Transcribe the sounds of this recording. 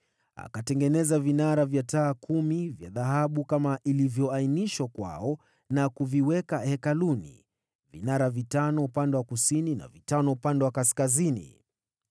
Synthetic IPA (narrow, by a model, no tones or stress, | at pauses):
a̰katɛŋɡɛnɛzavinaɾavjataːkʰumivja̰ðaɦaɓukamaʔilivjɔainiʃwakwa̰ɔ | nakuviwɛkahɛkalunḭ | vḭnaɾavitanɔupandɛwakusinina̰vitanɔupandɛwakaskazinḭ